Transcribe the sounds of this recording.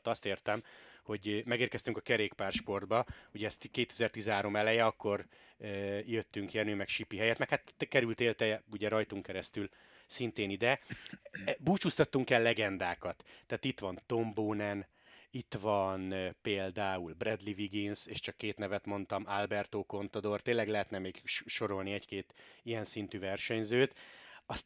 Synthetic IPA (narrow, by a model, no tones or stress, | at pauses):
t̪ɒst̪eːrt̪ɛmho̞ɟmɛɡeːrkɛst̪yŋkɒkɛɾeːkpaːrʃpo̞rd̪̚bɒuɟɛːst̪keːt̪ɛ̥zɛrt̪izɛnɦaːɾo̞mɛlɛjɛɒkːo̞r | øjøt̪ːyŋkjɛnyːmɛkʃipiɦɛjɛt̪mɛkhat̪kɛɾylt̪eːlt̪ɛuɟɛɾɒjt̪uŋkɛɾɛst̪yl | sint̪eːnid̪ɛ | buːt͡ʃust̪ɒt̪ːuŋkɛlːɛɡɛnd̪aːkɒt̪ːaːt̪it̪ʋɒnt̪o̞mboːnɛn | it̪ʋɒnpeːld̪aːulbrɛd̪liviɡinseːʃt͡ʃɒkːeːt̪nɛvɛt̪mo̞nt̪ɒmalbɛrt̪oːko̞nt̪ɒd̪o̞rt̪eːnlɛɡlɛɦɛt̪nɛmeːɡʃʃo̞ɾo̞lniɛckeːt̪ijɛnsint̪yvɛrʃɛɲzøːt̪ɒst̪